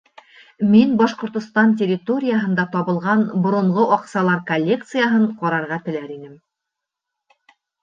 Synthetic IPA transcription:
minbɑʃqŏɾt̪ŏst̪ɑnt̬ʲerʲɪt̪o̞ɾʲɪjaɦɤ̆nd̪ɑt̪ɒβɤ̆lˠʁɑnbŏɾŏɴʁoʔɒqsɑlˠɑɾkɐlʲːe̞k̚t̪sɨjaɦɤɴqɒɾɑɾʁɑt̪ɘ̆læɾinɘm

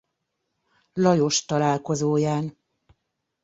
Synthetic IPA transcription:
lɒjo̞ʃt̪ɒlaːlko̞zoːjaːn

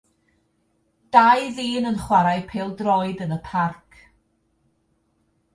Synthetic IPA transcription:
d̥ajðiːnənχwaɾajpʰeːlˠdrɔɨdənəpʰarkʰ

